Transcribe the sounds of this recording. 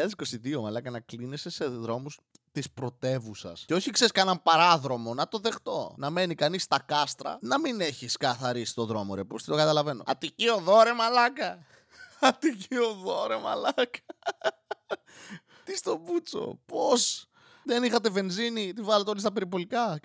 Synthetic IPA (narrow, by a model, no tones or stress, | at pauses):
ɐðesi̥ko̞siðio̞mɐlɐkɐnɐklinesese̞ðɾo̞mus | t̪ispɾo̞t̪e̞vusɐ̰sceo̞çikseiskɐnɐmpɐɾɐðɾo̞mo̞nɐt̪o̞ðe̞xt̪o̞̰nɐme̞nikɐnist̪ɐkɐst̪ɾɐ̰nɐmine̞çiskɐθɐɾisi̥t̪o̞ðɾo̞moɾe̞post̪it̪o̞kɐt̪ɐlɐve̞no̞̰ɐt̪icio̞ðo̞ɾe̞mɐlɐkɐ | ɐt̪icioðo̞ɾe̞mɐ̰lɐkɐ | t̪ist̪o̞but͡so̰po̞s | ðe̞nixɐt̪e̞ve̞nzinit̪ivɐlet̪eolist̪ɐpe̞ɾip̬o̞likɐ